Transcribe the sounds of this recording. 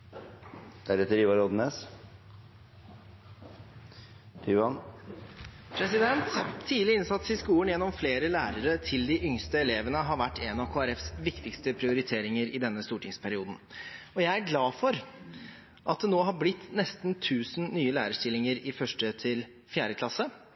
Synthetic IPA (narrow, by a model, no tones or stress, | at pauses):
d̪̥æɾɛt̪əɾiːʋɑɾɔd̪n̩eːs | t̪ʰyːʋɑn | pʰɾɛsɪd̪ɛnt̪ʰːiːd̪lɪɪnsɑt̪sɪskuːənjɛnːɔmfleːɾəlæːɾəɾət̪ʰɪld̪ɪʔʏŋst̪əɛleːʋənəɦɑɾʋæʈːɛnɑkʰoːæɾɛfsʋɪkt̪ɪkst̪əpʰɾɪʊɾɪt̪ʰeːɾɪŋəɾɪd̪ɛnːəst̪uːʈʰɪŋspʰæɾɪuːd̪n̩ɔjæɪæɾɡlɑːfɔɾ | ʔɑt̪̚d̪ɛnoːɦɑɾblɪt̪ːnɛst̪nt̪ʰʉːsn̩nyːəlæːɾəʂʈ̪ɪlːɪŋəɾɪfœʂʈət̪ʰɪl | fjæːɾəkʰlɑsə